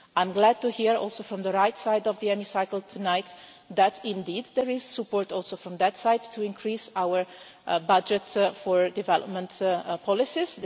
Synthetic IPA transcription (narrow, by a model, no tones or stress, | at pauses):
ãɪ̃mɡlæd̚tuhiɹɔ̰lˠsofɹɔ̃mðəɹaɪtsaɪdɔvðiɛmisaɪkəl̩ˠt̪ʰunaɪt̪ | ðætʰɪ̃ndiːd̪ðɛɹɪz̥səpɔɹtɔlˠsoʊfɹɔ̃md̪ætsaɪdtʰːuɪ̃nkʰɹisawə˞ | bʌd͡ʒɨtfɔɹdɨvɛlɔ̰p̚mə̃ntpʰɔlɪsiz